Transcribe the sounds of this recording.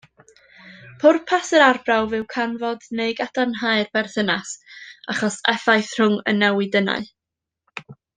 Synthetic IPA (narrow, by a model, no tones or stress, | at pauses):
pʰʊrpʰasəɾarbrawvɨwkʰanvɔdneɨɡad̥anɦaɨrb̥ɛrθənasaχɔsɛfajθr̥ʊŋə̰nːɛwɨdəna̰ɨ